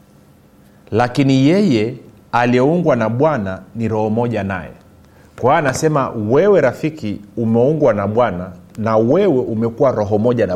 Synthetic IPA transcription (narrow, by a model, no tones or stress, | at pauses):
lakinijɛjɛ | aliɛuŋɡwanaɓwananiɾɔhɔmɔʄana̰jɛ̰ | kwaːnasɛmawɛwɛɾafikiumɛuŋɡwanaɓwananawɛwɛʔumɛkuwaɾɔɦɔmɔʄana